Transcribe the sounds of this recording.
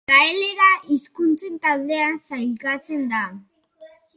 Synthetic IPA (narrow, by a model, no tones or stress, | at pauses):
kaele̞ɾaʔiskunt͡se̞nt̪ald̪e̞ansajlkat͡se̞nd̪a